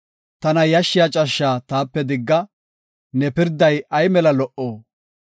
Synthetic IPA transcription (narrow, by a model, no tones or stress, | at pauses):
t̪ɐnɐjɐʃːɪjat͡ʃʼɐʃːaːt̪aːpːɛd̪ɪɡːɐ | nɛpɪɾd̪ːɐjɐjmɛlɐlɔʔoː